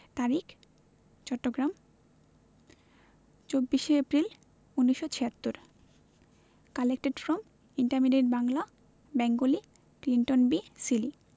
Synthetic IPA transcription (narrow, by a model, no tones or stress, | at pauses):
t̪aɾik | t͡ɕɔʈːoɡɾam | t͡ɕobːiʃeepɾil | unːiʃːot͡ɕʰiat̪ːoɾ | kalek̚ʈeɖfɾɔm | iɳʈaɾmiɖeʈbaŋla | bɛŋɡoli | kliɳʈonbisili